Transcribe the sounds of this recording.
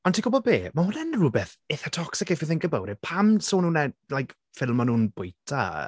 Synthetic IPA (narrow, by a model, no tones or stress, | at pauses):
ɔntʰiɡʊbɔbeːmahʊnɛnruːbɛθɪθatʰɔksɪkɛfiðɪnɡəbə̰wɾɪpʰamsoːnuːnɛlajk | fɪlˠmɔnuːnbʊjtʰa̰